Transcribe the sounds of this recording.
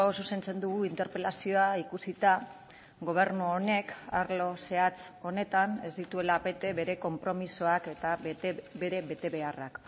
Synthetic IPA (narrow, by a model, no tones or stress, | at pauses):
osusent͡se̞nd̪uɣuint̪e̞ɾpe̞lasio̞aikusit̪a | ɣo̞β̞e̞ɾnuone̞kaɾlo̞se̞at͡so̞ne̞t̪ane̞zd̪it̪ue̞labe̞t̪e̞βe̞ɾe̞ko̞mpɾo̞misoake̞t̪abe̞ɾe̞βe̞t̪e̞βe̞arak